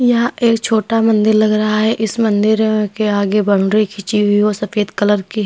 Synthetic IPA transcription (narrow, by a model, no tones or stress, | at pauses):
jaeːkt͡ʃʰoːʈamɐ̃nd̪ɪɾlɐɡɾɐɦaɦɛʔɪsmɐ̃nd̪ɪɾẽkeaːɡebɐɽɖɾikʰɪt͡ʃiɦʊiɦosɐfeːd̪kɐləɾki